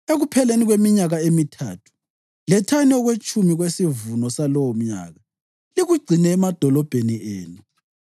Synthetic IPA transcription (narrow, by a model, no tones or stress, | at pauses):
eɣupʰɛleniɣwemiɲaɣaemitʰa̰ːtʰu̥ | lɛtʰanɔɣwet͡ʃʼumiɣwesivunɔsalɔwɔm̩ɲa̰ːɣa | liɣuɡ͡ǀʱinɛːmad̥ʱɔlɔb̥ʱeniʔeːnu